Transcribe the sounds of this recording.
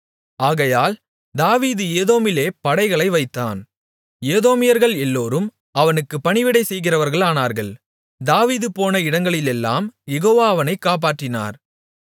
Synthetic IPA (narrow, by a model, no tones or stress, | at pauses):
aːɣɐjaːl | d̪aːʋiːðɯeːðoːmɪleːpɐɽɐɪɣɐɭɐɪʋɐɪt̪ːa̰ːn | jeːðoːmɪjɐɾɣɐɭɛlːoːɾɯm | ɐʋɐnɯkːɯpːɐɳɪʋɪɽɐɪsɛjɣɪrɐʋɐɾɣɐɭaːnaːɾɣɐɭ | d̪aːʋiːðɯpoːnɐɪɽɐŋɡɐɭɪlɛlːa̰ːmjɛɣoːʋaːʋɐnɐɪkːaːp̬aːʈrɪna̰ːɾ